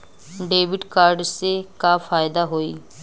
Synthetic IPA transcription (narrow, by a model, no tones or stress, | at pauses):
ɖeːʋɪɖkaːɾɖsekaːfʰaːjd̪aɦoːiː